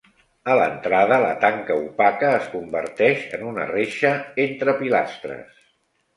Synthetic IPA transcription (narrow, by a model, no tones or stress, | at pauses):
ələ̰nt̪ɾaðələ̰t̪aŋkəupakəːskumbə̰rt̪ɛʃənunə̰reʃəent̪ɾəpilast̪ɾə̰s